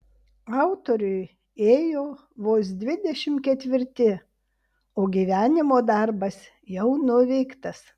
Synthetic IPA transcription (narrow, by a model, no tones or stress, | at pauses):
ɑˑʊt̪oɾʲʊj | eːjoː | ʋoːs̬d̪ʲʋʲɪd̪ʲɛʃʲɪmkʲɛt̪ʲʋʲɪɾʲt̪ʲɪ | oːɡʲiːʋʲæːnʲɪmoːd̪ɑɾbɐs | jɛʊnʊʋʲɛɪkt̪ɐs